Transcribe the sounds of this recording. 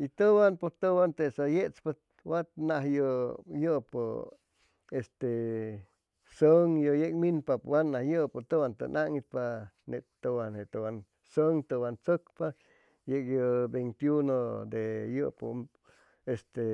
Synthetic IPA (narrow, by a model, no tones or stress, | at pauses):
it̪əwanpot̪əwant̪esajeʔt͡spa | wat̪naɦjojəʔpo | est̪e | səŋjojekminpapwanːahjəʔpot̪owant̪ə̰naŋit̪̚pa | neʔt̪əwanet̪owan | səŋt̪əwant͡səkpa | jekjobent̪junod̪ejəʔpo̰ | est̪e